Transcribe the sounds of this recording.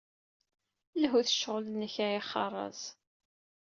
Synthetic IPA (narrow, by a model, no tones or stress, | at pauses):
lɦuθəʃːəʁlənːəçajiχːɑ̰rˤɑ̰z